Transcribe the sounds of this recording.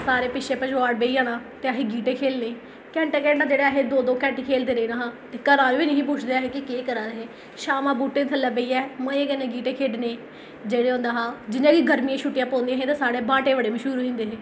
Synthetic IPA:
saːɾeːpɪʃʰeːpəd͡ʒʋaːɽ̚beːiːãːnãːt̪eːaɦeːɡiːʈeːkʰeːlneː | kɛ̃ːɳʈeːkʰeːɖnaːd͡ʒeːɽeːaɦeːd̪oːd̪oːkɛ̃ːɳʈiːkʰeːld̪eːɾəiːnaːɦãːt̪eːkəɾãːnũːʋiːnəɦĩːpuːt͡ʃʰd̪eaːɦeːkɪkeːkəɾãːɾəɦeː | ʃaːmãːbuːʈẽːt̪ʰələbeiːɛːmə̃eːkənẽːɡiːʈeːkʰeːɖneː | d͡ʒeːɽeːɦõːnd̪aːɦãːd͡ʒɪnãːkiɡəɾmijãːʃʰʊʈːɪjãːpõːnd̪ĩãːɦẽːt̪ːsaːɽeːbãːʈeːʋəɽeːmɪʃʊːɾuɦẽːnd̪eːɦeː

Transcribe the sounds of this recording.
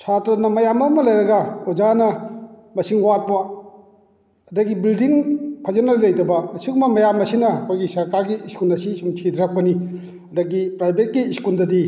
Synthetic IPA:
t͡ʃʰatɾɐnɐmɐjamɐmɐlɐjɾɐɡɐɔd͡ʒanɐ | mɐsiŋwat̚pɐ | ɐdɐɡibildiŋpʰazenalilɐjdɐbɐːsikumɐmɐjamɐsinɐkʰojɡisɐɾkaɾɡiːskulɐsisumt͡ʃʰidɾap̚kɐni | ɐdɐɡipɾajbʱet̚kiːskundɐdi

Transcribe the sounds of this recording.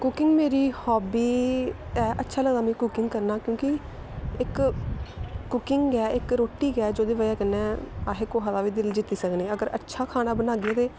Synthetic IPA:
kʊkɪ̃ŋɡmeːɾiːhɔːbiː | ɛːʔətːʃʰaːləɡd̪aːmĩːkʊkɪŋɡkəɾnaːkjõːkɪ | ɪk | ʊkɪŋɡɡɛːɪkɾoːʈːiːɡɛːd͡ʒoːd̪iːʋəaːkənːɛ̃ːaːɦeːkoːɦaːd̪aːʋiːd̪ɪld͡ʒɪt̪ːiːsəkniːəɡəɾʔə̰tːʃʰaːkʰaːñaːbənaːɡiɛːt̪eː

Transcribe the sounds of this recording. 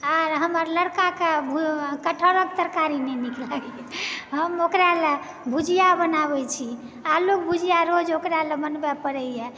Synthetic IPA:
aɾɦəməɾləɾkakebʱukəʈʰəɾək̚t̪əɾkaɾinɛniklaɡɛ | ɦəmokɾale | bʱud͡ʒʱijabənaβɛt͡ʃʰi | alok̚bud͡ʒʱijaɾod͡ʒokɾalebənbɛpəɾɛjɛ

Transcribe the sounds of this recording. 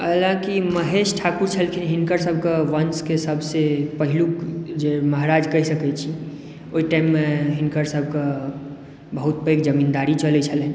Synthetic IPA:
əlãkiməɦeʃʈʰakuɾt͡ʃʰəlkʰinɦinkəɾsəbʱkaʋənskesəbʱsepəɦilukd͡ʒeməɦɾad͡ʒkəɦisəkɛt͡ʃʰi | oiʈaɪmːeɦinkəɾsəb̚ʱka | bəɦut̪̚pekd͡ʒəmind̪aɾit͡ʃəlɛt͡ʃʰəle

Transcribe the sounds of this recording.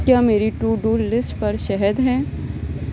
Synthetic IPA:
kjaːmeːɾiʈuːɖuːlɪsʈpɐɾʃɛɦəd̪ɦɛ̃ː

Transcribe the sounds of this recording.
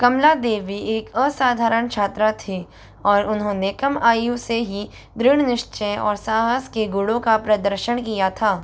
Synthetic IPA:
kɐmlad̪eːʋieːkəsaːd̪ʱaːɾəɳ̃t͡ʃʰaːt̪ɾət̪ʰi | ɔːɾʊnɦõːnekɐmaːjuseɦi | d̪ɾɪɽ̃nɪʃt͡ʃəjɔ̰ːɾsaːɦəskeɡʊɽõkapɾɐd̪əɾʃəɳkijat̪ʰaː

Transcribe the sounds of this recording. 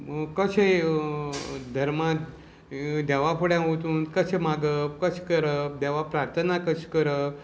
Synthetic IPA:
kəɕe | d̪ʱəɾma | d̪ɛʋapʰəɽjãɦot̪uːnkəɕemaɡəkəɕkəɾəd̪ɛʋapɾaɾt̪ʰənakəɕkəɾə

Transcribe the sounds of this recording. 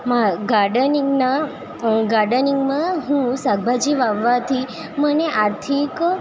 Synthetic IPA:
maɡaɾɖəniɡna | ɡaɾɖəniŋɡmãɦũsaɡ̚bʱad͡ʒiʋaʋːat̪ʰi | məneʔaɾt̪ʰik

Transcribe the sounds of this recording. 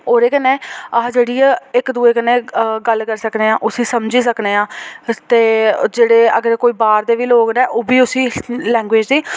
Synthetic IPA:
oːɾeːkəneːad͡ʒeːɽiːɛːɪkd̪uːeːkənẽːɡəlkəɾsəkneːãːʔʊsĩːsəmd͡ʒiːsəkneːãːt̪eːd͡ʒeːɽeːə̰ɡəɾkoːiːbaːɾd̪eːʋiːloːɡnɛːʔoːbiːʊsĩːlɛ̃ːŋɡʋeːd͡ʒd̪iː

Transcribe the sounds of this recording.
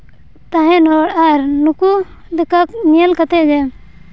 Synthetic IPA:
t̪aɦɛ̃nɔɽaɾnuku | d̪ɛkaknijalkat̪ɛd͡ʒɛ

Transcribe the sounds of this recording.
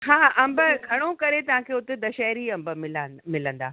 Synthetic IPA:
ɦãːɐ̃mbəɡʱɐɽ̃okɐɾet̪ɐʋ̤ãkʰeːʊt̪ed̪ɐʃɛːɾiɐ̃mbəmɪlamɪlə̃nd̪a̰ː

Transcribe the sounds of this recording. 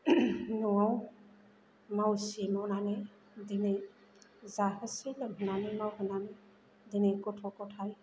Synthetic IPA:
nuaw | mawsemawnanɯ | dine | zaɦɯsilɯŋɦɯnanɯmawhɯnanɯ | dinikɔtʰɔkɔtʰaj

